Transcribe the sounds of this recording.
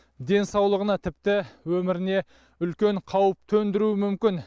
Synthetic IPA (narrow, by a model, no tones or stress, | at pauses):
d̪e̞nsɑwlˠəʁənɑt̪ʰɪp̚t̪ɪwɵmɪɾɪne̞ | ʏlkʲe̞ɴqʰɑwəp̚t̪ʰɵnd̪ɪɾuɪmʏmkʲɪn